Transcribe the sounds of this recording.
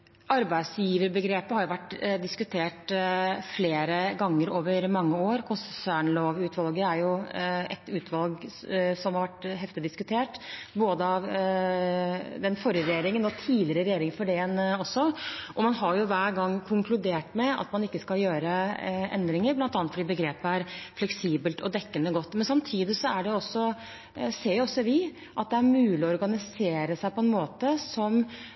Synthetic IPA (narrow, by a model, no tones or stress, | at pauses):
ʔɑɾbæɪd̪sjiːʋəɾbəɡɾeːpəhɑɾjʊʋæʈːd̪ɪskʉt̪ʰeːʈfleːɾəɡɑŋːəɾoːʋəɾmɑŋːəoːɾkʰʊnssæːɳloːʋʉːt̪ʋɑlɡəæɾjʊɛ̰t̪ʉːt̪ʰʋɑlɡsɔmhɑɾʋæʈːɦɛft̪ɪd̪ɪskʉt̪ʰeːʈboːd̪əɑʋ | d̪ɛnfɔɾjəɾɛjeːɾɪŋənɔt̪ʰiːlɪɾəɾɛjeːɾɪŋfɔɖɛɛnɔsːɔʔɔmɑnɦɑɾjʊʋæːɾɡɑŋːkʰʊŋklʉd̪eːʈmɛɑ̰t̪mɑnɪkːəskɑljøːɾəɛ̰nd̪ɾɪŋəɾblɑnt̪ɑnət̪fɔɖiːbəɡɾeːpəæɾflɛksiːbəlt̪ɔ̰d̪ɛkːənəɡɔt̪ːmɛnsɑmt̪ʰiːd̪ɪsɔæɖɛʊɔsːɔ | seːɾjʊɔsːɔʋɪ | ʔɑt̪̚d̪ɛæɾmʉːlɪɔɔɾɡɑnɪseːɾəsæɪpʰɔɛnmoːt̪əsɔm